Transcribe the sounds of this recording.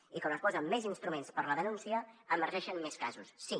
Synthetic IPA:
iknoospɔzəmːɛzinst̪ɾumenspəɾləðənunsiəəməɾʒɛʃənmɛskazusːi

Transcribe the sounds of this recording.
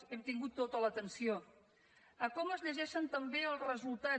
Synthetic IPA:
ɛmt̪iŋɡut̪ːot̪ələt̪ənsio | əkɔməzʎəʒɛʃənt̪əmbeəlˠrəzulˠt̪a

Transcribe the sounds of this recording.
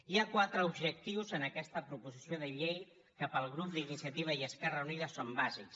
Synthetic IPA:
iakwat̪ɾəubʒək̚t̪iwzənəkɛst̪əpɾupuzisioðəʎej | kəpəlˠɣɾup̚d̪inisijət̪iβ̞əiəskɛrəuniðəsombaziks

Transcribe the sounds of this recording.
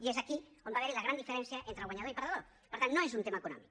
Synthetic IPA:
iezakiombaβeɾilaɣɾand̪ifeɾɛnsjɐʔent̪ɾalɣwaɲaðoɾipaɾðaðo | pəɾt̪annːõezunt̪emaekunɔ̰mḭk

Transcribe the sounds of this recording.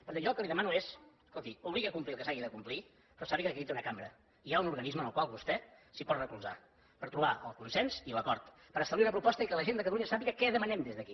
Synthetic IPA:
pəɾt̪ɛʒɔlˠkəliðəmanues | kolˠt̪iuβliɣəkumpliəlˠkəsaɣiðəkumpli | pɾɔsaβikəikiβit̪iunəkambɾə | iaunuɾɣənizmənəlˠkwalˠβust̪ɛsipɔt̪rəkulˠza̰ | pəɾt̪ɾuβaə̰lˠkunsɛnziləkɔɾt̪ | pəɾəst̪əβliunəpɾupɔst̪əikələʒend̪əkət̪əluɲəsapiɣəkɛðəmənɛmd̪ezðəki

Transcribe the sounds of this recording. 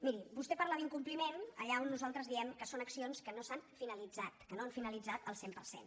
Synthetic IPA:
miɾibust̪ɛpəɾlaβiŋkumplimenə̰ʎaonːuzalˠt̪ɾəzðiɛmkəsonəksionskənosanfinəlid͡zat̪kənoaɱfinəlid͡zat̪əlˠsempəɾsḛn

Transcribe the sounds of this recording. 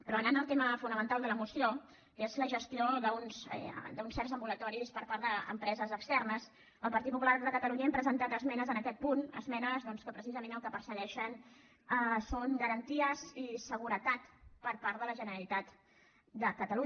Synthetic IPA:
pɾɔənanəlˠt̪eməfunəmənt̪alˠd̪ələmusio | ezləʒəst̪ioðəunsɛ̰d̪əunsɛrzəmbulət̪ɔɾispəɾpaɾðəə̰mpɾɛzəzəkst̪ɛrnəs | əlˠpəɾt̪it̪̚pupularðəkət̪əluɲəɛmpɾəzənt̪at̪əzmɛnəzənəkɛt̪̚punə̰zmɛnəzðɔnskəpɾəsizəmenəlˠkəpəɾsəɣɛʃən | əsoŋɡəɾənt̪iəzisəɣuɾət̪at̪pəɾpaɾt̪ðələʒənəɾəlit̪at̪ | d̪əkət̪əlu

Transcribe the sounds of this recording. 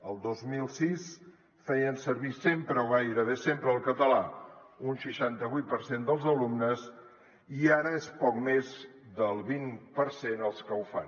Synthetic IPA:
əlˠd̪ozmilˠsis | fɛjənsəɾβisempɾəwɣajɾəβ̞esempɾəːlˠkət̪əlaunʃəʃant̪əβuijt̪̚pəɾsend̪əlˠzəlumnəs | iaɾəespɔkmezd̪əlˠβinpəɾsenəlˠskəwfa̰n

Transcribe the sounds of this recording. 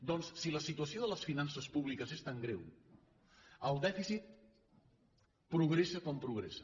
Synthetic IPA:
d̪ɔnssiləsit̪uəsioðələsfinansəspuβlikəzest̪aŋɡɾew | əlˠd̪ɛfisit̪̚ | pɾuɣ̞ɾesəkɔmpɾuɣ̞ɾesə

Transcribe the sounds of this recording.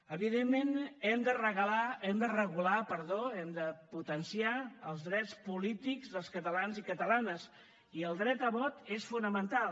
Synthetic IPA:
əβiðemːenɛmd̪ərəɣəlaɛmd̪ərəɣulapəɾðoɛmd̪əput̪ənsiaəlˠzðɾɛt͡spulit̪ikzðəlˠskət̪əlanzikət̪əlanəs | iəlˠd̪ɾɛt̪əβɔt̪esfunəmənt̪alˠ

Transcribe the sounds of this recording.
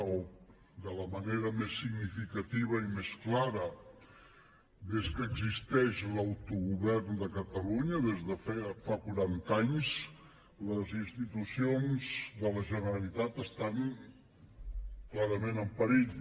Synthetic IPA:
d̪ələməneɾəmesːiɡnifikət̪iβ̞əimesklaɾə | d̪eskəɡzist̪ɛʃlawt̪uɣuβɛɾnd̪əkət̪əluɲəðezðəfafakuɾant̪aɲz | ləzinst̪it̪usionzðələʒənəɾəlit̪at̪əst̪aŋ | klaɾəmẽnəmpəɾiʎ

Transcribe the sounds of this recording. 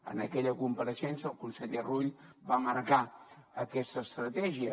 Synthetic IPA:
ə̰nəkɛʎəkumpəɾəsensəlˠkunseʎəruʎbaməɾkaəkɛst̪əst̪ɾət̪ɛʒiə

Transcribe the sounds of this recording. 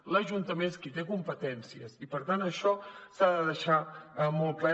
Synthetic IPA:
ləʒunt̪əmenskit̪ekumpət̪ɛnsiəsipəɾt̪anəʃɔsaðəðəʃaəmɔlˠt̪̚klɛ

